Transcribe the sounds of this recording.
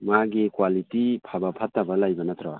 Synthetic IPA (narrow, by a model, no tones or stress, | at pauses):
maɡikwalitipʰabɐpʰatːabɐlajbɐnat̪ɾawa